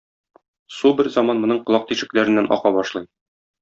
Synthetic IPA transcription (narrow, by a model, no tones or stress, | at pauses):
subɘɾzɒmɑnmŏnɤɴqŏlˠɑq̚t̪iʃɘ̆klæɾɘ̆nːænʔɒ̰qɑbɒʃlˠɤj